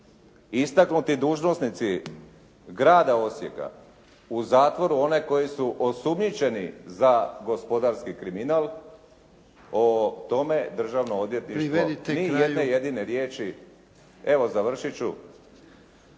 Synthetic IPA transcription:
ist̪aknut̪id̪uːʒno̞snit̪si | ɡɾaːd̪ao̞sjḛka̰ | uzaːt̪ʋo̞ɾuo̞ne̞ko̞jisuʔo̞sumɲit͡ʃe̞nizaɡo̞spo̞d̪aɾskikɾiminalˠ | ot̪o̞me̞d̪r̩ʒaʋnood̪je̞t̪niʃʃt̪ʋonijedneje̞d̪ine̞ɾje̞ːt͡ʃi | e̞ʋo̞zaʋr̩ʃit͡ʃu

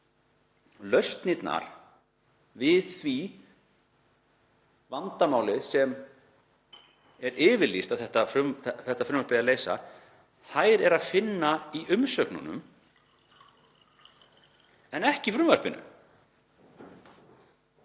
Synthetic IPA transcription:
lœɥst̪nit̪na̰ɾ̥ | vɪðθvi | vant̪amaːwlɪðsɛm | ɛɾɪːvɪɾlist̪aðθɛht̪afɾʏmθɛht̪ːafɾʏmvœɾpɪaleːjsa̰ | θajɾɛɾaðfɪnːaiʔʏmsœknṵnʏ̰m | ɛnɛhcɪifɾʏmvœɾ̥pɪnʏ̰m

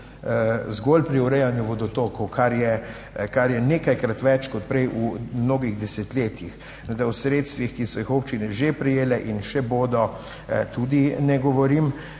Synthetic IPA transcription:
zɡolpɾiɔɾɛjanjuʋɔd̪ɔt̪oːkɔwkʰaɾjɛ | kaɾjɛneːkajkɾat̪ʋɛt͡ʃkɔt̪̚pɾɛjumnoːɡiɣd̪ɛsɛt̪leːt̪jix | ɛd̪awsɾeːt̪st̪ʋixkisɔjixopt͡ʃinɛʒepɾɛjeːlɛʔinʃɛboːd̪ɔ | t̪ud̪inɛɡɔʋɔɾim

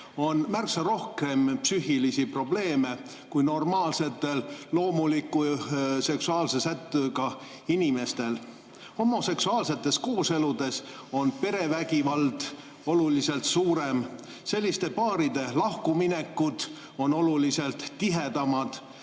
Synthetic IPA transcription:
o̞nmærksɑɾo̞hke̞mpsyhilisipro̞ble̞ːme̞ | kujno̞rmɑːlse̞t̪ːˑe̞llo̞ːmulikːˑuse̞ksuɑːlse̞sæt̪ːˑøɡɑ | inime̞st̪e̞l | ho̞mo̞se̞ksuɑːlse̞t̪ːˑe̞sko̞ːse̞lud̪e̞so̞npe̞ɾe̞væɡivɑld̪̥ | o̞lulise̞lt̪suːɾe̞m | se̞lʲːist̪e̞pɑːɾid̪e̞lɑhkumine̞kːud̪̥ | o̞no̞lulise̞lt̪ːiɦe̞d̪̥ɑmɑd̪̥

